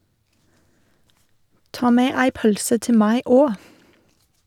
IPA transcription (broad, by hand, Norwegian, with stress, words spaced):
ˈtɑː ˈmeː ˈæɪ ˈpœlsə ˈtɪ ˈmæɪ ˈoː